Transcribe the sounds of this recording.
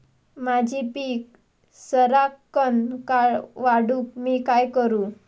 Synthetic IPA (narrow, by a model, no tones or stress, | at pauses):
mad͡ʑʱipiːk̚ | səɾakːənkaɭʋaɽuːkmiːkajkəɾuː